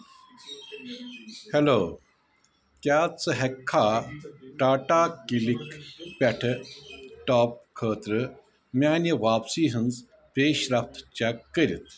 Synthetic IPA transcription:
heloː | kʲjaːt͡sɨɦɐkʰːaːʈaːʈaːkilikpʲɐʈʰ | ʈaːp̚kʰəːt̪ɾɨ | mʲaːniʋaːpsiːɦɨnz | peːɕɾɐft̪t͡ʃɐkːəɾit̪ʰ

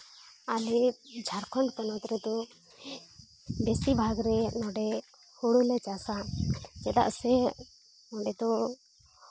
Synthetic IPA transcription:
alid͡ʒʱaɾkʰɔɳɖpɔnɔt̪ɾɛd̪ɔ | besibʱaɡɾɛnɔɖɛ | hoɽulɛt͡ʃasad͡ʒɛd̪a̰ʔsɛ | nɔɖɛt̪ɔ

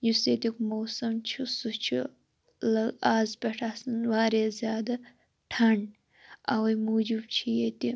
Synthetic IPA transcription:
juset̪ikmowsɐmt͡ʃʰusut͡ʃʰu | lɐɡaːzpʲeʈʰaːsɨnwaːɾezʲjaːd̪ɐ | ʈʰɐɳɖ | ɐ̰wɐjmuːd͡ʒib̚t͡ʃʰijet̪i

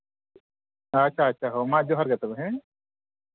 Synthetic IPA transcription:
ɐʃʰaɐtːʃʰaɦoːmãːd͡ʒoːɦɐɾɡɐt̪əbɦɛ̃

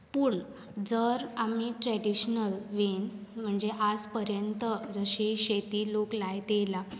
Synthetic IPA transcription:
puːɳ | d͡zəɾamiʈɾɛɖiɕnəlʋenm̤əɳd͡zeʔad͡zpəɾjənt̪əd͡zəɕiɕet̪iːloklajt̪jela

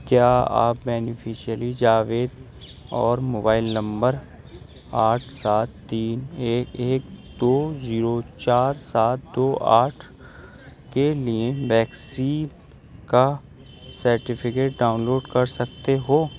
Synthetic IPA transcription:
kjaːa̰ːp̚bɛːnɪfʰiʃiəlid͡ʒaːʋeːd̪ | ɔːɾmoːbaːɪlnɐ̃mbəɾ | aːʈʰsaːt̪ːiːneːkeːk̚d̪oːziːɾot͡ʃaːɾsaːt̪̚d̪oːʔa̰ːʈʰ | kelieʋɛːksiːn | ka | sɐɾʈɪpʰɪkeːʈ̚ɖaːʊ̃nloːɖkɐɾsɐkt̪eɦoː

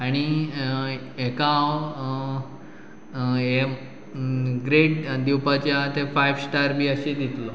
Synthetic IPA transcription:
aɽ̃i | ekãw | e | ɡɾeʈd̪iwpat͡ɕjat̪efajʋsʈaɾbiəɕed̪it̪lo

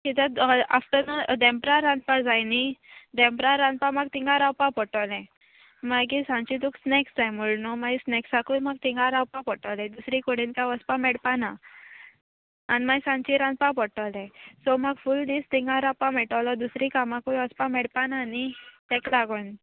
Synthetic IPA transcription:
kit̪əa̰ft̪ənad̪ɛmpɾaɾãnd̪pad͡zajnid̪ɛ̃mpɾaɾãnpamaɡ̚t̪iŋɡãɾawpapɔʈɔlɛ̃ | maɡisãnt͡ɕit̪uksneksd͡zajmuɭnɔmaisneksakulmaɡ̚t̪ĩŋɡaɾawpapɔʈɔlɛ̃d̪usɾikoɽinkaʋəspamɛɽpana | nimajsãnt͡ɕiɾãnpapɔʈalɛ̃sɔməɡfuld̪ist̪iŋɡãɾawpamɛʈalɔd̪usɾikamãkujʋəspamɛɽpanaːnit̪ɛklaɡon

